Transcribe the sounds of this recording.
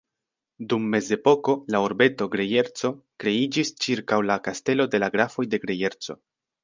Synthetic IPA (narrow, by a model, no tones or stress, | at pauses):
dumːe̞ze̞po̞ko̞laoɾbe̞to̞ɡɾe̞je̞ɾt͡so̞kɾe̞id͡ʒist͡ʃiɾkawlakaste̞lo̞de̞laɡɾafo̞jde̞ɡɾe̞je̞ɾt͡so̞̰